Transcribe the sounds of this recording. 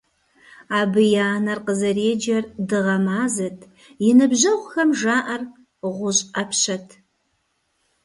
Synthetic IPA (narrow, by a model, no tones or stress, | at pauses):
aːbɨjaːnɐrqəzɐreːd͡ʒɐrdɨʁɐmaːzɐtʰ | jɪnɨbʑɐʁʷxɐmʒaːʔɐr | ʁʷʊɕʼɐpʰɕɐtʰ